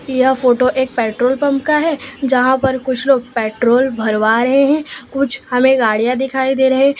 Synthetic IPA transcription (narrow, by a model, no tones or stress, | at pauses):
jɐɦfoːʈoʔeːk̚pɛːʈɾoːlpɐ̃mpkaɦɛːd͡ʒɐɦãpɐɾkʊt͡ʃʰloːɡ̚pɛːʈɾoːlbʱɐɾʋaɾɐɦeɦɛ̃ːkʊt͡ʃʰhɐmẽɡaːɽijãd̪ɪkʰaːid̪eːɾɐɦẽ